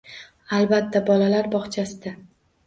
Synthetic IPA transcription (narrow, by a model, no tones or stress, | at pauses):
alˠbat̪ʰːabɒlalaɾbɒχt͡ʃʰasɪd̪a